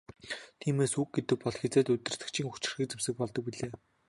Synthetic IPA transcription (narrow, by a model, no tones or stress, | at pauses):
t̪ʰiːmeːsuk̚ɡet̪ɘ̆k̚pɔɮxet͡seːt̪ɵt̪ɪ̆r̥t̪ɘ̆kt͡ɕʰiːŋxu̥t͡ɕɪ̆rxĭːk̚t͡semsɘ̆k̚pɔɮt̪ɞ̆k̚piɮeː